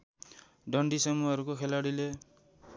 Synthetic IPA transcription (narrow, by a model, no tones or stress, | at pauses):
ɖʱʌɳɖisʌmːuɦʌɾukokʰelaɽile